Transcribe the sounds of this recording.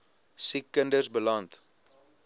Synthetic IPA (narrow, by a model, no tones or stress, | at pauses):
sikːəndərsbəlɐnt